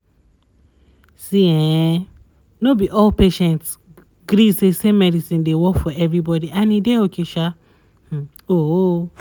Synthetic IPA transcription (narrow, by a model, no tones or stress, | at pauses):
siɛ̃ | nobiʔɔlpeʃɛ̃nts | ɡɾisesemɛdisĩndewɔkfɔɛvɹibɔdiãnideokʰeʃa | o